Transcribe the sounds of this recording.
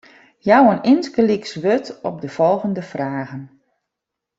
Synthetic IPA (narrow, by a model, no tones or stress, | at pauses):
jawənɪnskəliksʋøtɔp̚dəv̥ɔlˠɣəndəfraːɣən